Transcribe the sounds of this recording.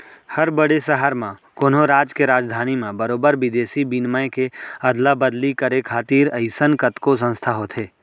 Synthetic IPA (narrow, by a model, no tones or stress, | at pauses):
həɾbəɽesəɦəɾmãkoːnõɾaːd͡ʒkeɾaːd͡ʒd̪ʱaːnimẽbəɾoːbəɾʋɪd̪eːsibinmaẽkeɐd̪labəd̪likəɾekʰaːt̪iːɾəɪsənkət̪kos̬ə̃nst̪ʰaɦoːt̪ʰɦeː